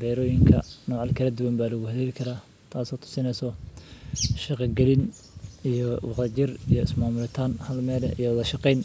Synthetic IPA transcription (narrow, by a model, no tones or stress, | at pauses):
bɛːɾɔːjɪŋkʰɐ̰nɔːʕɑlkʰɐlɐd̪ʊwɐmbaːlɐɣʊhɐðɛːlkʰɐɾaː | t̪ʰaːsɔːt̪ʰʊ̥sɪnɛjsɔ | ʃɑqɑɡɐlɪn | ijɔwɑqt̪ɐt͡ʃɪrijɔɪsmaːmʊlɪt̪ʰaːnhɐlmɛːlɛḭjɔwʊðɐʃɑqɛjn